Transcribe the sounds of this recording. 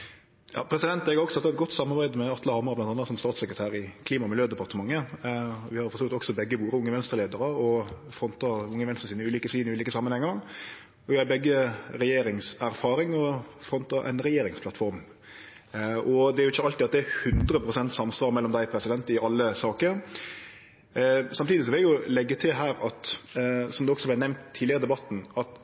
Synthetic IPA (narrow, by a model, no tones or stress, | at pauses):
jɑ̰ːpʰɾɛsɪd̪ɛnt̪ɛɡɾɔksɔɑt̪ːɛɛt̪̚ɡɔt̪ːsɑmːɑɾbæɪd̪mɛɑt̪ʰləhɑmɑɾɑblɑnt̪ɑnːəsɔmst̪ɑːt̪sɛkɾət̪ʰæːɾɪkʰliːmɑmɪljøːd̪ɛpɑʁt̪əmɑŋːə | ʋɪhɑɾfɔɾsɔːkt̪ɔksɔbɛɡːəʋuːɾəʊŋːəʋɛnst̪əɾleːd̪əɾəɔ | fɾɔnt̪ɑʊŋːəʋɛnsəsiːnəʉːliːkəsiːnɪʉːliːkəsɑmənhɛŋːəɾ | ɔʋɪhɑɾbɛɡːəɾɛjeːɾɪŋsæɾfɑːɾɪŋɔfɾɔnt̪ɑʔæ̰ɪnɾɛjeːɾɪŋspʰlɑt̪fɔɾm | ɔd̪ɛæɾʊɪçːəɑlt̪ɪɑt̪̚d̪ɛæɾhʉnd̪ɾəpʰɾʊsɛnt̪sɑmsʋɑːɾmɛlːɔmd̪æɪpʰɾɛsɪd̪ɛnt̪ɪʔɑlːəsɑːkəɾ | sɑmt̪iːd̪ɪs̬ɔʋɪljʊlɛɡːət̪ʰɪlɦæːɾɑt̪sɔmd̪ɛɔksɔblɛnɛmnt̪ʰːiːd̪ɪəɾəd̪ɛbɑt̪ːn̩ɑt̪